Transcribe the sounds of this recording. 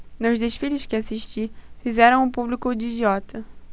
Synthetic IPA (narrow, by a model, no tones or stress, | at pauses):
nʊzd̪eʃfilɪskɪasiʃt͡ʃifizɛɾɐ̃w̃ʊpublikʊd͡ʒiːd͡ʒiɔt̪ɐ